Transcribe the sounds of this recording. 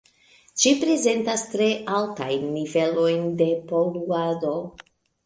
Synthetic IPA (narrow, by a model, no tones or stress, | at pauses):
ʃipɾe̞ze̞ntastɾe̞ʔalta̰jnːive̞lo̞jnde̞po̞luado̞